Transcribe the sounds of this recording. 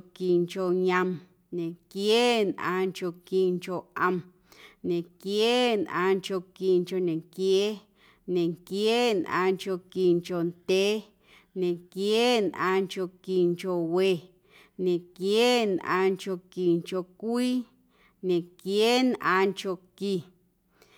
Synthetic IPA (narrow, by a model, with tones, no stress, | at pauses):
ki˨ŋko˨ɲə̃˧m | ɲẽ˨kjeː˦nʔã̰ː˧ŋko˧˨ki˨ŋko˨ʔə̃˧˨m | ɲẽ˨kjeː˦nʔã̰ː˧ŋko˧˨ki˨ŋko˧˨nẽ˨ŋkjeː˦ | nẽ˨ŋkjeː˦nʔã̰ː˧ŋko˧˨ki˨ŋko˨ndʲeː˦ | ɲẽ˨ŋkjːnʔãː˧ŋko˧˨ki˨ŋko˨we˨ | ɲẽ˨kjːnʔã̰ː˧ŋko˧˨ki˨ŋko˧˨kʷiː˦ | ɲẽ˨kjeː˦nʔã̰ː˧ŋko˨ki˨